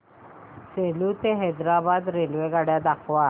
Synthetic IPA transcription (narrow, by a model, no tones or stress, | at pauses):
seːlut̪eɦɛːd̪ɾaːbaːd̪ɾeːlʋeɡaɽjad̪akʰʋaː